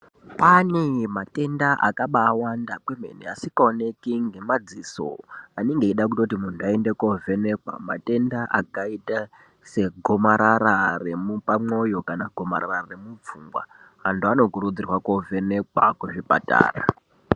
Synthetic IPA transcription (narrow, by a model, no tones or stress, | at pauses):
panemate̞ndaʔa̰kaɓaːwandakweme̞̰neasikaone̞kiŋɡe̞mad͡ziso̰aniŋɡeiɗak̬utotimun̤uaendekove̞ne̞kwa̰ma̰te̞ndaʔakaita | se̞ɡʱomaɾaɾare̞mupamo̞jo̞kanaɡʱo̞ma̰ɾa̰rare̞mub͡vuːŋɡwa̰ | anduano̞kuɾud͡zirwakove̞ne̞kwa̰kuʐipa̰ta̰ːra̰